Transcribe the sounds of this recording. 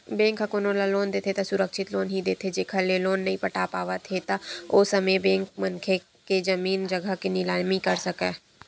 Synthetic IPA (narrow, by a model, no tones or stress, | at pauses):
bẽːŋkɦakoːnõlaloːnd̪eːt̪ʰet̪asʊɾəkʃʰɪt̪loːnɦid̪eːt̪ʰed͡ʒeːkʰəleloːnːɐɦĩpəʈaːpaːʋat̪ʰet̪aoːsɐmebɛ̃ːŋk̚mənkʰe | ked͡ʒəmiːnd͡ʒɐɡʱəkinɪlaːmikɐɾsɐkɛː